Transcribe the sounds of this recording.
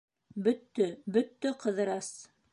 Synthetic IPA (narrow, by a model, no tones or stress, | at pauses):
bɵt̪ːɵbɵt̪ːɵqɤ̆ðɤ̆ɾɑs